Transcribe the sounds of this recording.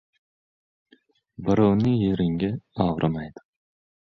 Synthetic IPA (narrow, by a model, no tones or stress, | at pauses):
bɪɾownɪjeɾɪŋɡʲaɑwɾɨmajd̪̥ɪ̥